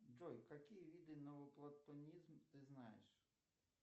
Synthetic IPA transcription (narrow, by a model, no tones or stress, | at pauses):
d͡ʒɔjkɐkʲijʋʲid̪ɪnɔʋɔplˠɐt̪ːɔnʲizmt̪ɪznɑjḛʃ